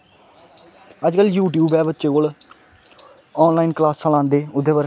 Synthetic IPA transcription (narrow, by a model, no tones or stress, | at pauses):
əd͡ʒkəljuːʈjuːbɛːʋətːt͡ʃeːkoːl | ɔːnlaːiːnklaːsːəːlãːnd̪eːʊd̪eːʋəɾ